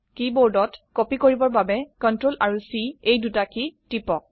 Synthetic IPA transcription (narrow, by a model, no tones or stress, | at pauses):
kiboɹdɔtkɔpikoɹibɔɹbabɛkɔntɹolaɹusiejdutakitipɔk̚